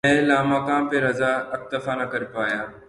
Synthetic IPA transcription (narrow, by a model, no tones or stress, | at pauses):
ɛ̃laːmakãːmpeɾɐzaɐk̚t̪ɐfanɐkɐɾpaːjaː